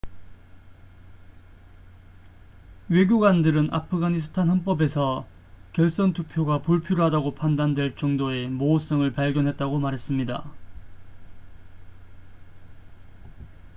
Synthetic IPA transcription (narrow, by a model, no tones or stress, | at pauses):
we̞ɡʲjoɡwandɯɾɯnʔa̰pʰɯɡaɲisʰɯ̥tʰanɦʌnp̬͈ʌbe̞sʰʌ | kjʌɭs͈ʌntʰupʰjoɡapuɭpʰiɾoɦadaɡopʰandandwe̞ɭt͡ɕʌŋdoe̞moːs͈ʌŋɯɭpaɭɡjʌnɦe̞t̚t͈aɡomaɾɦe̞s͈ɯmɲida̰